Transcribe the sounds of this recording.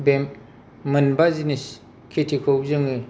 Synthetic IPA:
bem | mɯnbazinis | kʰetʰikʰowzɯŋɯ

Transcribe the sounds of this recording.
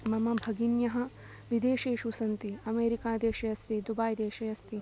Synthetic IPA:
mɐmɐbʱɐɡinjɐɦɐ̆ | ʋid̪eːʃeːʃusɐnt̪iɐmeːɾikaːd̪eːʃɐjɐst̪id̪ubaːjd̪eːʃɐjɐst̪i

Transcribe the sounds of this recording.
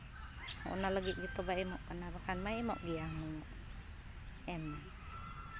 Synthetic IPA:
mʔunalaɡiʔɡit̪obaimɔʔkənabakanmaimɔʔɡiamuŋɔʔ | ɛma

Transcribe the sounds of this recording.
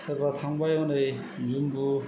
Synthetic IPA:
sʰɐɾbat̪ʰaŋbajonɯj | zumbu

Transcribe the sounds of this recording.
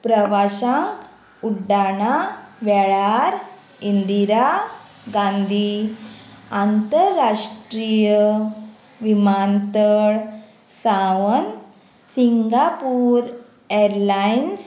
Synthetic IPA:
pɾəʋaɕãŋk | uɖaɽ̃aʋɛɭaɾ | ind̪iɾa | ɡãnd̪ʱi | ant̪əɾɾːaʂʈɾijə | ʋimant̪əɭ | sãʋən | siŋɡapuːɾ | eɾlains

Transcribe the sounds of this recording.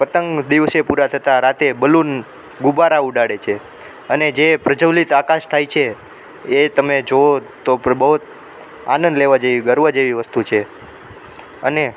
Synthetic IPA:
pət̪əŋɡd̪iʋsepuɾat̪ʰət̪aɾat̪ebəlun | ɡubaɾauɖaɽet͡ʃʰe | əned͡ʒepɾəd͡ʒəʋlit̪akaʃt̪ʰajt͡ʃʰeː | t̪əmed͡ʒoot̪obəɦut̪ | a̰nənd̪leʋad͡ʒeʋiɡəɾʋad͡ʒeʋiʋəst̪ut͡ʃʰe | əne

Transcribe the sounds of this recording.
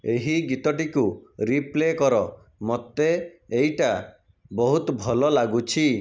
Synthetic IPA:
eɦiɡit̪ɔʈikuɾiplekɔɾɔ | mɔt̪eːjʈa | bɔɦut̪bʱɔlɔlaɡut͡ʃʰi

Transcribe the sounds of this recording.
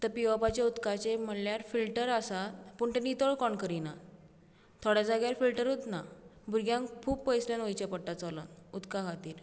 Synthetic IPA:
t̪əɾpiʋapat͡ɕaut̪kat͡ɕem̤əljaɾfilʈəɾasapuɳt̪enit̪əɭkɔɳkəɾina | t̪ʰoɽjad͡zaɡjaɾfilʈəɾɦot̪nabʱuɾɡjãŋkkʰuːbpəjsljanʋəjt͡ɕapəɽʈːat͡sɔlə̰nut̪kakʰat̪iːɾ

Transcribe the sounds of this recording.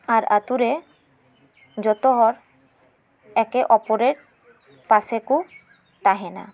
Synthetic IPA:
aɾat̪uɾe | d͡ʑɔt̪oɦɔɾ | ɛkeʔɔpoɾeʈ̚ | paseku | t̪aɦena̰

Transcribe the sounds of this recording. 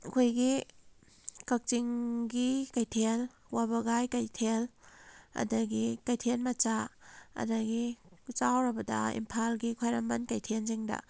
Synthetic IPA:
kʰojɡi | kak̚t͡ʃiŋɡikajtʰel | wabɐɡajkajtʰel | ɐ̰dɐɡikajtʰenmɐt͡ʃaɐ̰dɐɡit͡ʃawɾɐbɐdɐ̰ḭmpʰalɡikʰwajɾamɐnkajtʰenzeŋdɐ̰

